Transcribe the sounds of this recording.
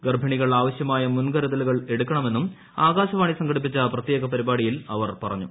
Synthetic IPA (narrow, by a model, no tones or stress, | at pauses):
ɡɐrbʱɐɳiɣɐɭaːʋɐɕjɐmaːjɐmunɡɐɾɐd̪ɐluɣɐɭe̞ɽukːɐɳɐme̞nːum | aːɣaːɕɐʋaːɳisɐŋɡɐɽip̬ːit͡ɕːɐprɐt̪je̞ːɣɐpɐɾibaːɽijilɐʋɐrpɐrɐɲːu